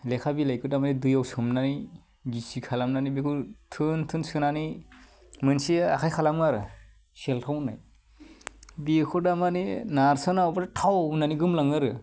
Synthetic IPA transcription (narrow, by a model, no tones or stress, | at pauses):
lekʰabilajkʰɯdamanidɯjawsɯmnani | ɡisikʰalamnanibekʰɯtʰɯntʰɯnsɯnani | mɯnsia̰kʰajkʰalamaɾɯ | seltʰawna̰j | bikʰɯdamaninaɾsɯnawbaɾatʰawunaniɡɯmlaŋɯɾɯ